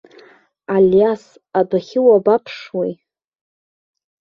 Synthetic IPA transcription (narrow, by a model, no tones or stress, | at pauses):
aljas | abaχʲɪwabapʰʂwej